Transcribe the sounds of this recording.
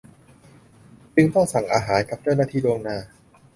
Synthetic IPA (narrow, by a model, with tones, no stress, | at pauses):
t͡ɕɯ˧ŋt̪ɔ˥˩ŋsa˨˩ŋʔaː˧ɦaː˩˦nka˨˩˦p̚t͡ɕwnaː˥˩t̪ʰiː˥˩doː˧ŋnaː˧˩